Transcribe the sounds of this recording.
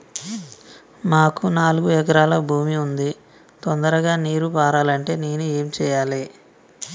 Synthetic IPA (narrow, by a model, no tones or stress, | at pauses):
maːkunaːluɡuɛk̬ɐɾaːlɐbʱuːmiund̪i | t̪ond̪ɐɾɐɡaːniːɾupaːɾaːlɐɳʈe̞ːneːnue̞ːmt͡ʃɛːjaːle